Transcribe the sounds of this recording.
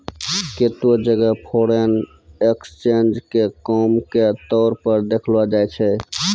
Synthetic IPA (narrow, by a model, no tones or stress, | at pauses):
ket̪od͡ʒəɡəpʰoɽen | ekst͡ʃend͡ʒkekɔmket̪ɔɾpəɾd̪ekʰlbad͡ʒajt͡ʃʰɛ